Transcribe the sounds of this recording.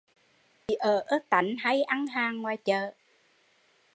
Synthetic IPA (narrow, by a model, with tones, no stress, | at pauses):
i˨˩ʔəː˨˩ʔəː˦˥k̚t̪a̰˧˨˩jŋ̟ɦa˧jʔa˧ŋɦaː˨˩ŋːwaː˨˩jt͡ɕəː˨˩